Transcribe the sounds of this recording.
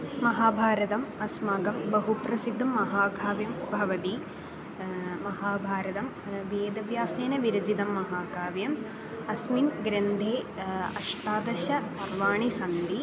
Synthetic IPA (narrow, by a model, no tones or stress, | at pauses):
mɐɦaːbʱaːɾɐt̪ɐmɐsmaːɡɐmbɐɦupɾɐsid̪ʱːɐmɐɦaːɡʱaːʋjɐmbʱɐʋɐt̪i | mɐhaːbʱaːɾɐt̪ɐm | ʋjeːd̪ɐʋjaːseːnɐʋiɾɐd͡ʒid̪ɐmːɐɦaːɡʱaːʋjɐm | ɐsminɡɾend̪ʱeːɐ̰ʂʈaːd̪ɐʃɐɐɾʋaːɳisɐnd̪i